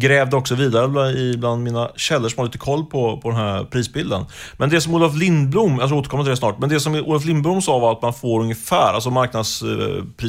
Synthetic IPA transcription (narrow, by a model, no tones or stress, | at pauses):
ɡɾɛːvd̪əɔksɔviːd̪aɾəbɪbland̪miːnaɕɛlːəʂɔmhad̪iːt̪əkʰɔlːpʰɔpʰɔd̪ɛnɦæɾpʰɾiːsbɪld̪ə̰nmɛnd̪ɛsɔmuːlaflɪnblumjɑt̪ɾɾoːt̪əɾkɔmːat̪d̪ɛsnɑ̰ːʈmɛnd̪ɛsɔmʔṵːlaflɪnblʊmsɑːvaɾat̪manfoːɾɵŋjəfæːɾʔa̰ls̬ɔmaɾknad̪spʰɾiː